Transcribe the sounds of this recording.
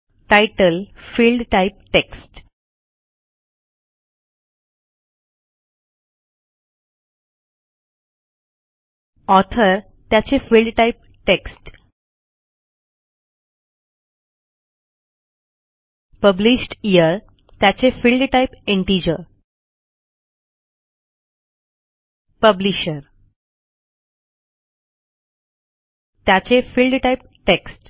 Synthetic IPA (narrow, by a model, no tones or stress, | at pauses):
ʈaɪʈəlfilɖʈaip̚ʈeksʈ | ɔt̪ʰəɾ | t̪jat͡ɕefilɖʈaip̚ | ʈeksʈ | pəbliɕʈijəɾ | t̪jat͡ɕefilɖʈaipeɳʈid͡ʑəɾ | pəbliɕəɾ | t̪jat͡ɕefilɖʈajp̚ | ʈeksʈ